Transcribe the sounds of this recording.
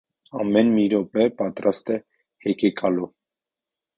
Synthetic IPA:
ɑmɛnmiɾɔpɛpɑt̪ɾɑst̪ɛ | hɛkʰɛkʰɑlu

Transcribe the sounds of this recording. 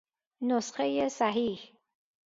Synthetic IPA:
nosxejesæɦiːh

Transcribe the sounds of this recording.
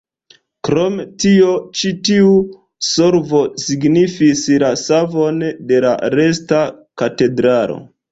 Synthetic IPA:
kɾo̞mtio̞t͡ʃitiu | soɾvo̞siɡnifislasavo̞nde̞la̰ɾe̞stakate̞dɾalo̞̰

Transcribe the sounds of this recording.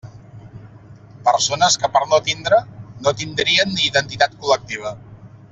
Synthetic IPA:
pəɾsonəskəpəɾnot̪ind̪ɾənot̪ind̪ɾiənːiːðənt̪it̪at̪kulək̚t̪iβ̞ə

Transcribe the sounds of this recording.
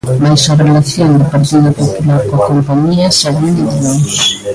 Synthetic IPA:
majsarelaθjond̪ɪpaɾt̪iðʊpopulaɾkoakompaɲiɐsaɣand̪ɪðiβen

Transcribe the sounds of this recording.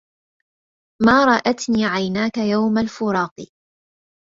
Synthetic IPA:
maːɾˤɑʔat̪niːʕajnaːkajawmalfʊɾˤɑːqɨ

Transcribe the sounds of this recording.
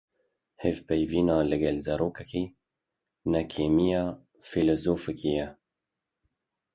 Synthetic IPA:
hevpɛjviːnɑːlɨɡɛlzɛɾoːkɛkiː | nɛkʰeːmijɑː | filozoːfɨkijɛ

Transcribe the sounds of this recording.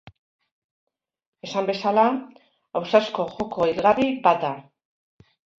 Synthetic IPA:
e̞sambe̞sala | awsasko̞ʝo̞ko̞iɾɣaribat̪d̪a

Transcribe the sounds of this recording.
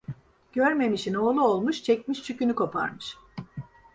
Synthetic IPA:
ɟ̥øɾme̞miʃino̞ːlˠuolˠmuʃt͡ʃʰɛc̚miʃt͡ʃʰycynykʰo̞pʰa̰ɾmɯʃ

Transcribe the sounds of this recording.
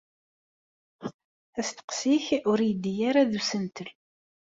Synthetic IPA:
æst̪ə̥qsiçʊɾijd̪ijaɾaðusənt̪əl

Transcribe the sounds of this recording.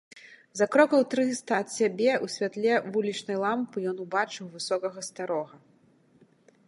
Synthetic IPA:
zɐkɾɔkɐwt̪ɾɨst̪ɐːt̪sʲabʲɛusʲvʲat̪lʲɛvulʲit͡ʂnɐjlˠampɨjɔnubat͡ʂɨwvɨsɔkɐɣɐst̪aɾɔɣɐ

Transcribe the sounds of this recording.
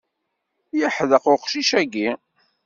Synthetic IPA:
jəħðəqʊqʃiʃæɡi

